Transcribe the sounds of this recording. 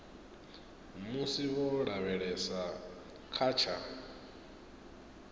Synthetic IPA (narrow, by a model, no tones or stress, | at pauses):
musiβɔɺaβɛɺɛsa | kʰaːt͡ʃʰa